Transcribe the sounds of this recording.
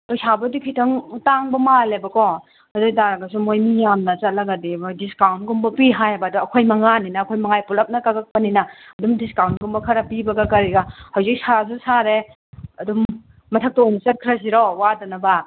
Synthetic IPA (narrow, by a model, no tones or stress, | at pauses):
tojsabɐdukʰitʰɐŋtaŋbɐmalebɐkɔ | ɐdojt̬aɾɐɡɐs̬umojmijamnɐt͡ʃɐt̚lɐɡɐdidiskawntɡumbɐpiɦajabaduɐkʰojmɐŋaninɐːkʰojmɐŋajpulɐp̚nɐkakak̚pɐninɐɐdumdiskawnt̚ɡumbɐkʰɐɾɐpibɐɡɐkɐɾiɡahawzik̚sas̬usaɾe | ɐdumː | ɐtʰɐk̚tonisɐt̚kʰɾas̬iɾowadɐnɐba